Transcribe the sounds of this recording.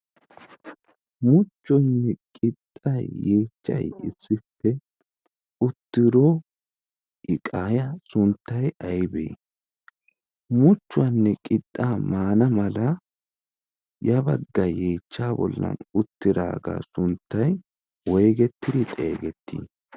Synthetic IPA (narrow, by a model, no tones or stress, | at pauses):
mʊt͡ʃːɔjnːɛkʼɪt̪ʼːɐjːe̞ːt͡ʃːɐ̰jɪ̰sːɪpːɛ | ʊt̪ːɪɾo | ʔɪkʼaːjɐsʊnt̪ːɐjɐjbḛː | mʊt͡ʃːʊanːɛkʼɪt̪ʼːaːmaːnɐmɐlɐ | jɐbɐɡːɐje̞ːt͡ʃːaːbɔ̰lːɐ̰nʊt̪ːɪɾa̰ːɡa̰ːsʊnt̪ːɐj | wɔjɡɛt̪ːɪd̪ɪt̪ʼḛːɡɛt̪ːḭː